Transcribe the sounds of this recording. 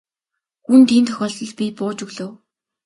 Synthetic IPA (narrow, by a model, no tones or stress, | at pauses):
xunt̪ʰiːnt̪ʰœxʲɔːɮɞ̆ɮpʲipʊːt͡ɕɵɣɮoːw